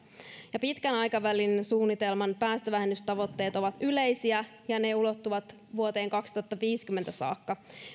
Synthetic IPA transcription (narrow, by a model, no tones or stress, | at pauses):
jɑpit̪kænɑjkɑʋælinsuːnːit̪elmɑnpæːst̪øʋæɦenːyst̪ɑʋo̞t̪ːe̞ːt̪o̞ʋɑt̪yle̞jsiæ | jɑne̞ulo̞t̪ːuʋɑt̪ | ʋuot̪e̞ːŋkɑkst̪uɑt̪ːɑʋiːskymːent̪æsɑ̰ːkːɑ